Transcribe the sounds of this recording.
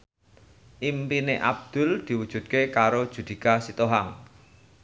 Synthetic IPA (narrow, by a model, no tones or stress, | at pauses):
ʔimpineʔa̰b̚d̪̥ʊ̤ld̪̥i̤wud̥ʒ̥ṳt̪̚kekaɾod̥ʒ̥ṳd̪̥i̤kasit̪oɦaŋ